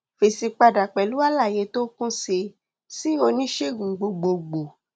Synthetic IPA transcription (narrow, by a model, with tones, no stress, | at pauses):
fe˨si˧k͡pa˧da˨k͡pɛ˨lu˦a˦la˦˨je˨˧˦to˦kũ˦se˧ | si˦o˧nĩ˦ʃe˦˨ɡũ˨ɡ͡bo˨ɡ͡bo˨ɡ͡bo˨